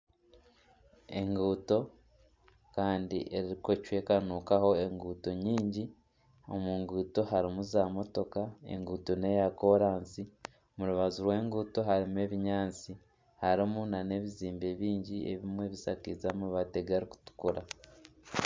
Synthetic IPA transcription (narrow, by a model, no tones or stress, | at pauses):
e̞ŋɡuːto̞ | kaːndḭʔe̞ɾiɾiko̞cwe̞ːkanuːkaho̞e̞ŋɡuːto̞ɲiːɲɟi | o̞̰muːŋɡuːto̞ɦaɾimuzaːmo̞to̞kae̞̰ŋɡuːto̞ne̞jako̞ɾaːnsi | muɾuβazuɾwe̞ːŋɡuːto̞ɦaɾimue̞βiɲaːnt͡si | haɾimunane̞ːβiziːmbe̞βiːɲɟie̞̰βimwe̞βisakizamuβate̞ɡaɾiku̥tu̥kuɾa̰